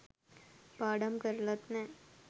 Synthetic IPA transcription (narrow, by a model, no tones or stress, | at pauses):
paːɽɐmkɐɾlɐt̪nɛ